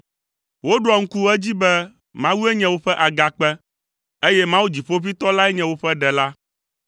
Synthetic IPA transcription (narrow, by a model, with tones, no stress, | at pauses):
wo˦ɖɔ˨ŋ̩˦ku˦ɛ˦d͡ʑi˦bɛ˦ | mã˦wu˦ɛ˦ɲɛ̃˨wo˦ɸɛ˦ʔa˨ɡa˨k͡pɛ˦ | e˦jɛ˦mã˦wu˦d͡ʑi˨ɸo˦vi˦t̪ɔ˦la˦ɛ˦ɲɛ̃˨wo˦ɸɛ˦ɖɛ˨la˦